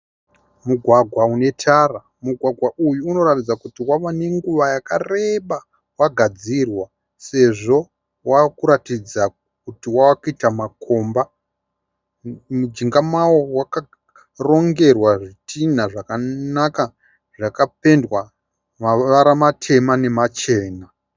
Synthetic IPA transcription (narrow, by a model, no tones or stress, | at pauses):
muɡʱwaɡʱwaune̞tʰara | muɡʱwaɡʱwaʔujuːno̞ɾatid͡zakutiwaʋane̞ŋɡuʋajakare̞ɓa | waɡʱad͡zirwa | se̞ʐo̞ | wakuɾatid͡za | kutiwawakitamako̞mba | mud͡ʒiŋɡamawo̞waka | ro̞ŋɡe̞rwaʐitʰinaʐakanaka | ʐakape̞ndwa | maʋaɾamatʰe̞mane̞mat͡ʃe̞ːna